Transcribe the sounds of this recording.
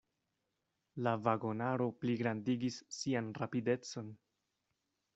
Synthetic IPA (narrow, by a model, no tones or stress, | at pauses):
lavaɡo̞naɾo̞pliɡɾandiɡisːianrapide̞t͡so̞n